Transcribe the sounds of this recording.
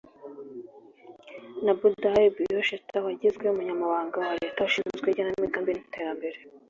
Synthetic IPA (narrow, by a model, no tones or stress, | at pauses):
nabudabijoʃetʰawaɟizɡweumuɲamaβaːŋɡawaɾetawaʃizɡweɟananmiɡaːmbiniteːɾambe̞ɾe